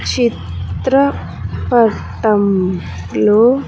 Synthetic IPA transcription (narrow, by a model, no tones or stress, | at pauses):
t͡ɕit̪ɾə | pɐɾ | t̪ɐm | lo